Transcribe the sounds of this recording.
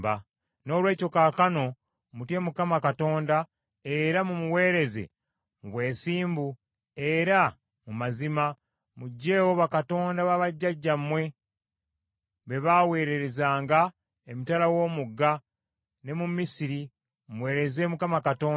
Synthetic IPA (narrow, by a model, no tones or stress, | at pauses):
ba | no̞ːlwe̞ːco̞kaːkano̞ | mutje̞mukamakato̞ːnda | e̞ɾamumuwe̞ːɾe̞ze̞̰ | muβwe̞ːsiːmbu | e̞ɾa | mumazima | muɟːe̞ːwo̞βakato̞ːndaβaβaɟːaɟːamwe̞ | βe̞βawe̞ːɾe̞ɾe̞zaːŋɡa | emitalawo̞ːmuɡːa | ne̞mumisiɾi | muwe̞ːɾe̞ze̞ːmukamakato̞ː